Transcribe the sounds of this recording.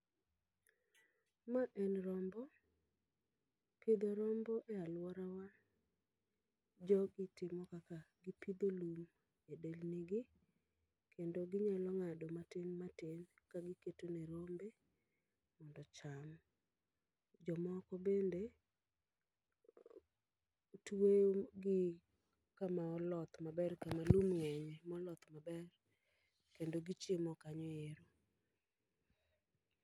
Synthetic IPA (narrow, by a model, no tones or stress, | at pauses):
maʔɛnɾɔmbɔ | kid̪oɾɔmbɔʔɛalwɔɾawa | d͡ʒɔɡɪtɪmɔkakaɡipid̪olum | edelniɡi | kʰendoɡɪɲalɔŋadɔmatenmatenkaɡɪketoneɾombe | mɔndɔt͡ʃam | d͡ʒɔmɔkɔbende | tweoɡɪ | kamaɔlɔt̪mabɛrkamalumŋɛɲɛmɔlɔt̪mabɛr | kendoɡɪt͡ʃemɔkaɲɔeɾo